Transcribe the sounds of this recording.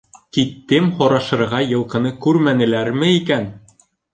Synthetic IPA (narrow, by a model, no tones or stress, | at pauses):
kit̪ːɘmhɒɾɑʃɤ̆ɾʁɑjɤ̆lˠqɤ̆nɤkʉɾmænɘ̆læɾmɘikæn